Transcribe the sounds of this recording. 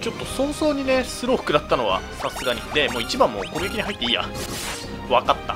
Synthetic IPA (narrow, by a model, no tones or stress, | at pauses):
t͡ɕo̞t̪ːo̞sõ̞ɰ̃so̞ːɲ̟ine̞sɨɾoɸɯ̟̥kɯ̟d̪at̪ːano̞βa̰sasɨɡaɲ̟ḭd̪e̞moːit͡ɕibãmːoːko̞ɾeɡakʲiɲ̟iɦait̪ːe̞iːja̰ | βakat̪ːa̰